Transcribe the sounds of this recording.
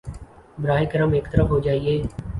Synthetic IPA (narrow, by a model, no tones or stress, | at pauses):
bɾaːɦɪkəɾəmeːkt̪əɾəfɦoːd͡ʒaːieː